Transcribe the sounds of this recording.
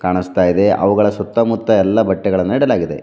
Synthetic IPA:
kaːɳist̪aːjid̪e̞ʔɐ̰ʋuɡɐɭɐsɔt̪ːɐmut̪ːɐɛlːɐbɐʈːɛɡɐɭɐnːniɽɐlaːɡid̪e̞̰

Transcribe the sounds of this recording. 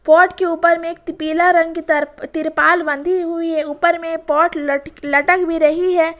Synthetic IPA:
pɔːʈkeuːpəɾmẽeːk̚t̪ɪpiːlaɾɐ̃ŋɡket̪ɾt̪ɪɾpaːlbə̃nd̪ʱiɦuiɦɛuːpəɾmẽpɔːʈləlɐʈəkbʱiɾɐɦiɦɛː

